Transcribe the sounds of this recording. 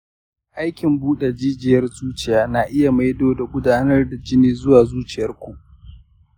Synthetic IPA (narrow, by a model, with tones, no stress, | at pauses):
ʔa˦jkʲɪ˨mbuː˦ɗe˨d͡ʒiː˦d͡ʒɪ˨jɐ˦rzuː˦t͡ʃɪ˦jaː˦na˨ʔɪ˦ja˨ma˦jdoː˨da˨ɡʷʊ˦daː˦nɐ˦rda˨d͡ʒɪ˦niː˦zʊ˦waː˨zuː˦t͡ʃɪ˨jɐ˦rkʷu˨ʔ